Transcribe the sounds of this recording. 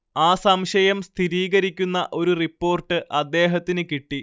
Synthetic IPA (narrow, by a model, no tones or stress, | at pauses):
aːsɐmɕɐjɐmst̪ʰiɾiːɣɐɾikʲːunːɐʔo̞ɾuripːo̞ːrʈːɨʔɐd̪ːe̞ːɦɐt̪ːinɨkiʈːi